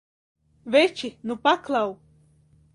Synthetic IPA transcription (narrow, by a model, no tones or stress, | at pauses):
vɛt͡ʃinupaklˠaw